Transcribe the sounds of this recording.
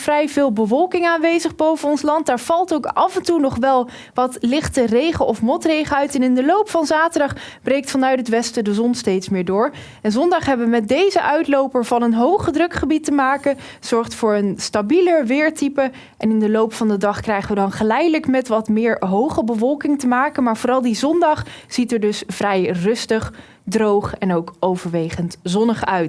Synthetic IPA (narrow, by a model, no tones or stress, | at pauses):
frɛjvɪːlˠbəvɔlˠkɪŋaːnʋejzəχbowvənɔnslɑnt̚daːɹv̥ɑlˠtowkɑvɛntunɔχʋɛlˠ | ʋɑtlɪχtərejχəʔɔfmɔtrejχəœɥtɛnɪndəlowpfɑnzaːtəɹdɑχb̥rejk̚tfɑnœɥtɦətʋɛstədəzɔnstejtsmɪːɹdʊːɹ | ɛnzɔndɑχɦɛbəʋəmɛt̚dejzəʔœɥtlowpəɹvɑnənɦowχədrɵkχəbitəmaːkə | z̥ɔɹχtfʊːɹənstabiləɹʋɪːɹtipə | ʔɛnɪndəlowpfɑndədɑχkrɛjχəʋədɑnχəlɛjdələkmɛtʋɑtmɪːɹɦowχəbəvɔlˠkɪŋtəmaːkənmaːɹvoːrɑlˠdizɔndɑχz̥itəɹdɵsvrɛjrɵstəχ | drowχɛnowkowvəɹʋejχəntzɔnəχœɥt